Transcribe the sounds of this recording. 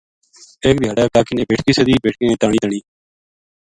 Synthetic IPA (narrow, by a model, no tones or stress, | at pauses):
eːk̚d̪ʱɪjaːɽaːkaːkɪnẽːbeːʈkiːsəd̪iːbeːʈʰkẽːeːt̪ãːɳĩːt̪əɳ̃iː